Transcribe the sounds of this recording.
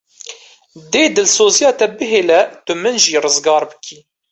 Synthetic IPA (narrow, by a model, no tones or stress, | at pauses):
d̪eːd̪ɨlsoːzijɑːt̪ɛbɨɦeːlɛt̪ʊmɨnʒiːrɨzɡɑːɾbɨkʰiː